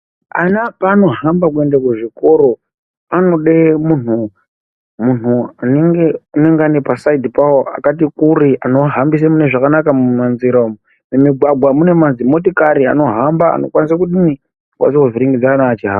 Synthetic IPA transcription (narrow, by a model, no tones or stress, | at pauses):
a̰napano̞ɦambakue̞ndakuʐiko̞ɾo̞ | ano̞ɗemun̤u | mun̤uaneŋɡe̞une̞ŋɡanepasaidipawoa̰kat̬ikuriʔano̞ɦambis̬emune̞ʐakanakamumanziɾam | memiɡwaɡʱwamune̞manzimo̞tikaɾia̰no̞ɦambaa̰no̞̰kwanis̬akuɗini | kwa̰ns̬akuviɾiŋɡid͡zanaːt͡ʃiɦa̰ːa